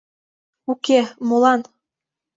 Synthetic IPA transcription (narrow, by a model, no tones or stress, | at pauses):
ukemolɑn